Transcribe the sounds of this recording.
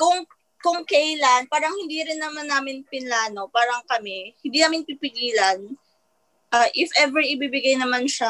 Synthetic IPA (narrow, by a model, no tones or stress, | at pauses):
kʊŋ | kʊŋkɐʔlanpaːɾɐŋhɪnd̪iɾɪnːɐmanːaːmɪnpɪnlaːno̞paːɾɐŋkɐmɛhɪnd̪iːnaːmɪnpipɪɡiːlɐn | ʔaːʔɪfʔɛvɛɹɪbibɪɡajnɐmanʃa